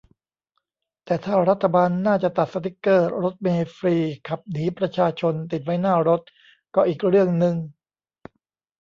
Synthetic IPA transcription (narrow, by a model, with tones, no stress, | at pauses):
t̪ɛː˨˩t̪ʰaː˥˩ɾa˦˥t̪ʰːa˧baː˧nːaː˥˩t͡ɕa˨˩t̪a˨˩t̪̚sa˧t̪ʰi˦˥kːɤː˥˩ɾo˦˥t̪̚meː˧fɾiː˧kʰa˨˩p̚niː˩˦pɾa˧t͡ɕʰaː˧t͡ɕʰo˧nt̪i˨˩t̪̚wa˦˥jnaː˥˩ɾo˦˥t̪̚ | kɔː˥˩ʔiː˨˩k̚ɾɯ˥˩əŋnɯ˧ŋ